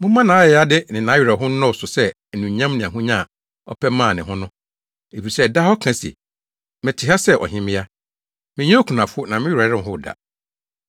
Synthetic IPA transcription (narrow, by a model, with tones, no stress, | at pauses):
mʊ̃˦mã˦nãː˨˦ɛ˨˦a˦dɪ˦nɪ̃˨nã˨˦ɥi˨ɾa˨ɦʊ̃˦n̩˦nɔ̃˦˨sʊ˨sɛ˦˨ | nũ˨ɲã˦mnɪ̃˨ã˨ɦʊ̃˦ɲã˦˨ | ɔ̰˦pʰɛ˦mãː˦˨nɪ̃˨ɦʊ̃˦nʊ̃˦ | e˨fi˨sɛ˦da˦ɔ˦kʰã˨sḛ˨ | mɪ̃˨tʰɪ˨ɦa˦sɛ˦ʔɔ̰˨ɦɪ̃˦mɪ̃˦ja˦ | mɪ̃˨ɲɛ̃˦o˦kʰu˨nã˨fʊ˦ʊ˦nã˨mɪ̃˦ɥɾa˨˦ɪ̃˦˨ɦʊ˦˨da̰˨